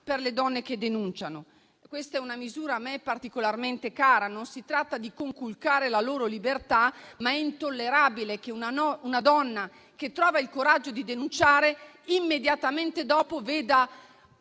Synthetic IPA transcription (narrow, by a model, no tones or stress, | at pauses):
perled̪ɔnːek̟ed̪enunt͡ʃano | kwest̪aɛunamizuːɾamɛpːart̪ikolarment̪ekaːɾanonsit̪ɾat̪ːad̪ikoŋkulkaːɾelaloːɾolibert̪amaɛint̪olːeɾaːbilekeunaunad̪ɔnːa | ket̪ːɾɔːvailkoɾad͡ʒːod̪id̪enunt͡ʃaːɾe | imːed̪jat̪ament̪ed̪ɔːpoveːd̪a